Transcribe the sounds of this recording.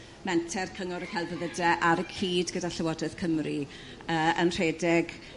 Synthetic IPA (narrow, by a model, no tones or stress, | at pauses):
mɛntʰɛrkʰəŋʊɾəkʰalˠvəðədɛʔaɾəkʰiːdɡədaɬəwɔdɨð̥kʰəmri | əːənr̥eːdɪɡ